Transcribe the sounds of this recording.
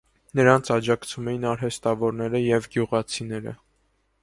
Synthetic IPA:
nəɾɑnt͡sʰɑd͡ʒɑkt͡sʰumɛjinɑɾɦɛst̪ɑvɔɾnɛɾəjɛvɡjuʁɑt͡sʰinɛɾə̰

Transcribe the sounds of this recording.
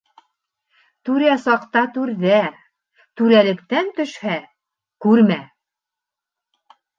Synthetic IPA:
t̪ʉɾæsɑqt̪ɑt̪ʉɾðæ | t̪ʉɾælɘ̆kt̪ænt̪ɵ̆ʃhæ | kʉɾmæ

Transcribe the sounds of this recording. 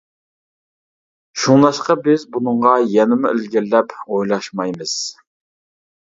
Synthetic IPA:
ʃuŋlˠɑʃqɑbɪzbunɨɴʁɑjɛnɪmʊølɡʲɪllɛpojlˠɑʃmɑjmɨz̥

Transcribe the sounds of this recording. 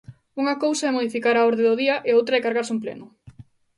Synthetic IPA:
uŋɐkowsaɛmoðifikaɾaɔɾðeðʊðiɐʔeowt̪ɾɐɛkaɾɣaɾsumplḛnʊ

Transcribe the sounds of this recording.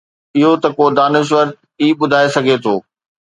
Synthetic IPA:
ɪɦot̪ɐkoːd̪aːnɪʃ̬ʋɐɾt̪̚ | iːɓʊd̪ʱaːesɐɡʱet̪ʰoː

